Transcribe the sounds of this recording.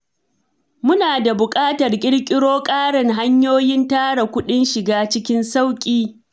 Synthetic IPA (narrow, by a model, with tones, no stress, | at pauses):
mʊ˦naː˨da˨bʊ˨kʼaː˦tɐ˨rkʲʼɪ˦ɽkʲʼɪ˦ɽoː˦kʼaː˦ɽɐ˨ŋɦa˦ɲjoː˦jɪ˦ntaː˦ɽa˨kʷʊ˦ɗɪ˦nʃɪ˨ɡaː˦t͡ʃɪ˦kʲɪ˦nsa˦wkʲʼiː˦